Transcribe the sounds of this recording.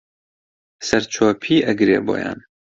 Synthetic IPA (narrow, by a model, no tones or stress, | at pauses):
sɛɾt͡ʃʰɔːpʰiːʔɛɡɾeːbo̰ːjɑ̰ːn